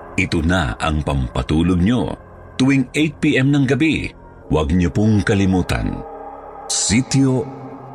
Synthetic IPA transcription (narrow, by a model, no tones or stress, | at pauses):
ʔɪt̪ona̰ɐ̰ŋpɐmpɐt̪uːloɡ̚ɲo̞̰ | t̪ʊwiŋejt̪̚piʔɛmnɐŋɡɐbi | wɐɡ̚ɲopoŋkɐlɪmuːt̪ɐ̰n | sit̪jo